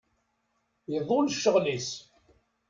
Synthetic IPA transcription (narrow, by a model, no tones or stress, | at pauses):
jəðˤolʃːəʁlis